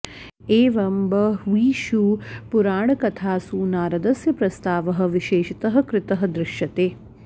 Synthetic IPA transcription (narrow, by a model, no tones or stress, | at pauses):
eːʋɐmbɐʋiːʃuːpuɾaːɳɐkɐt̪ʰaːsuːnaːɾɐd̪ɐsjɐpɾɐst̪aːʋɐɦɐ̆ʋiʃeːʃit̪ɐɦɐ̆kɾɪt̪ɐɦɐ̆d̪ɾɪʃjɐt̪eː